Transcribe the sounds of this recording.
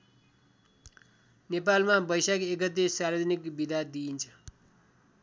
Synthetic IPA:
nepalmabʌjsakekʌt̪ːesaɾed̪ʱʌnikbid̪ʱad̪iːnt͡sʰʌ̥

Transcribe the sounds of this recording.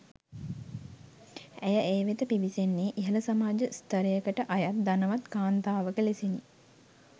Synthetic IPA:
æjəʔeːʋet̪əpiʋisenːeːʔiɦələsamaːd͡ʒəst̪əɾejəkəʈəʔajat̪̚d̪anəʋat̪kaːnt̪aːʋəkəlesini

